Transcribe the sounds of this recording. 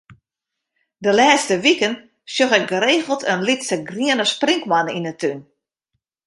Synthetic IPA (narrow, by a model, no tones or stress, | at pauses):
dəlɛːstəʋikən | sjoxɛk̚ɡəɾeːɣəlˠtʰənlitsəɡriənəspriŋkmaninətyn